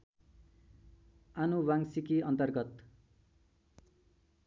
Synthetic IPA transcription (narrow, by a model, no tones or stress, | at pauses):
anubaŋsikiʌnt̪ʌrɡʌt̪